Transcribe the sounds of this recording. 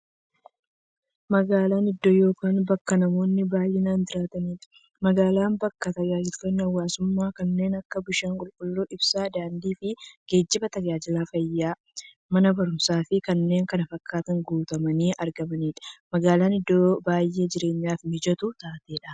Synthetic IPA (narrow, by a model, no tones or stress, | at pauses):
mɐɡaːlaːnɪd̪ːoːjo̞ːkaːnbɐkːɐnɐmo̞ːnːɪbaːjʔɛnaːnd͡ʒ̪ɪɾaːt̪ɐniːᶑɐ̥ | mɐɡaːlaːmbɐkːɐt̪ɐd͡ʒaːd͡ʒɪlk̪ɐnːɐwːaːsʊmːaːkɐnːe̞ːnɐkːɐbʊʃaːŋkʼʊlkʼʊlːoːʔɪbsaːd̪aːnd̪iːfɪɡ̥e̞ːd͡ʒːɪbɐt̪ɐd͡ʒaːd͡ʒɪlaːfɐjːaː | mɐnɐbɐɾʊmsaːfɪkɐnːe̞ːŋkɐnɐfɐkʰːaːt̪ɐŋɡuːt̪ɐmɐniːʔɐɾɡɐmɐniːᶑɐ̥mɐɡaːlaːnɪd̪ːoːbaːjːe̞ːd͡ʒɪɾe̞ːɲːaːfmɪd͡ʒɐt̪ʊt̪aːt̪e̞ːᶑɐ̥